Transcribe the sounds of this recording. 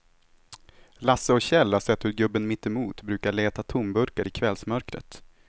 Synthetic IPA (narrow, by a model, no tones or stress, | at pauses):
lasːəɔɕɛlːasɛt̪ːhɵɾɡɵbːənmɪt̪ːɛmuːt̪bɾʉ̟ːkaɭeːt̪at̪ʰʊmbɵɾkaɾɪkʰvɛlsmœɾkɾə̰t̪